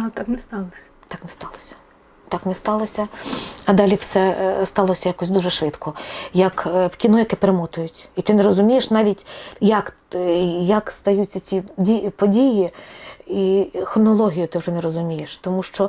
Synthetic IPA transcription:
t̪ɑknɛst̪ɑlˠɔsʲɐ̥t̪ɑknɛst̪ɑlˠɔsʲɐ̥ | t̪ɑknɛst̪ɑlˠɔsʲɐɐd̪ɑlʲiwsɛst̪ɑlˠɔsʲɐjakɔsʲd̪uʒɛʃʋɪt̪kʰɔjɐkwkʲinujɐkɛpeɾemɔt̪ʊjʊtʲit̪ɪnɛɾɔzʊmʲijeʃnɑʋʲitʲjɐk | jɐkst̪ɐjut͡sʲːɐt͡sʲiipɔdʲiji | ixɾɔnɔlˠɔɦʲijʊt̪ɪwʐʒɛnɛɾɔzʊmʲijeʃt̪ɔmuʃt͡ʃɔ

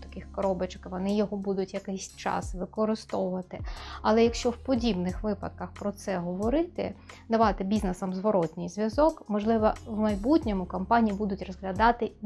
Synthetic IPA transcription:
t̪ɐ̥kɪxkɔɾɔbɐt͡ʃkʋɔnɪjɔɦɔbud̪ʊtʲjɐkɛjsʲt͡ʃɑ̰sʋɪkɔɾɪst̪ɔʋʊʋɐt̪ɪɐlˠɛjɐkʃt͡ʃɔwpɔdʲibnɪxʋɪpɐ̰t̪̚kɐxpɾɔt̪sɛɦɔʋɔɾɪt̪ɪ̰d̪ɐʋɑt̪ɪbʲiznesɐmzʋɔɾɔtʲnʲɪjzʲʋʲjɐzɔkmɔʒlˠɪʋɐwmɐjbutʲnʲɔmʊkɐmpɑnʲijibud̪ʊtʲrɔzɦlʲɐd̪ɑt̪ɪ

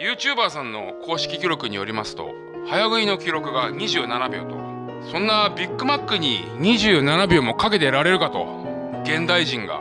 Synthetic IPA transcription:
jɯ̟ːt͡ɕɨːbaːsãnːo̞kʰo̞ːɕi̥kʲikʲiɾo̞kɯ̟ɲ̟ijo̞̰ɾʲimasɨ̥t̪o̞̰ | hajaɡɯ̟ino̞kʲiɾo̞kɯ̟ɡaɲ̟iʑɨːnanabʲjo̰ːt̪o̞̰ | sõ̞nːabʲikːɯ̟makːɯ̟ɲ̟ḭ | ɲ̟iʑɨːnanabʲo̞ːmo̞kake̞t̪e̞ɾaɾe̞ɾɯ̟kat̪o̞̰ | ɡẽ̞nd̪aiʑĩŋɡa̰

